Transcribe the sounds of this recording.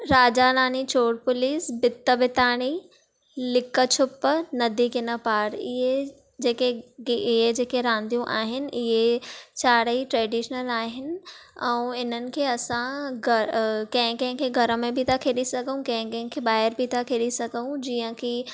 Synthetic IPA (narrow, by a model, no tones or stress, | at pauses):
ɾaːd͡ʑanaːnit͡ɕʰoːɽpʊliːsbɪt̪ːəbɪt̪aːɽ̃i | lɪkət͡ɕʰʊpːənɐd̪ʱikɪnəpaːɽɪɦe | d͡ʑeːkeɪɦed͡ʑeːkeɾãːnd̪ʱijũʔaːɦɪnɪ̆ʔɪɦet͡ɕaːɽəiʈɾɛːɖiːʃənəlaːɦɪnɪ̆ɛ̃ũɪnənɪ̆kʰeːɐsãɡʱɐkɐ̃ɦɪ̃kɐ̃ɦɪ̃kʰeɡʱɐɾəmẽbʱit̪ʰakʰeːɗisɐɡʱəũkɐ̃ɦɪ̃kɐ̃ɦɪ̃kʰeɓaːɦɪɾbʱit̪ʰakʰeːɗisɐɡʱəũd͡ʑiːə̃ki